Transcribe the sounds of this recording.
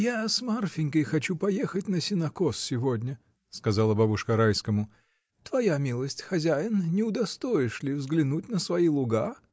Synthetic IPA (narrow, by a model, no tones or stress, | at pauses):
jasmarfʲɪnʲkəjxɐt͡ɕupɐjexət̚ʲnəsʲɪnɐkosːʲɪvodʲnʲə | skɐzalˠəbabʊʂkəɾajskəmʊ | t̪vɐjamʲilˠəsʲtʲxɐzʲæjɪnnʲɪʊd̪ɐst̪oɪʂlʲɪvzɡlʲɪnut̚ʲnəsvɐilˠʊɡa